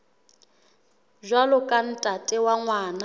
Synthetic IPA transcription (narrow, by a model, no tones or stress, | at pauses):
ʒʷalʊkʼan̩tʼatʼɛwaŋwaːna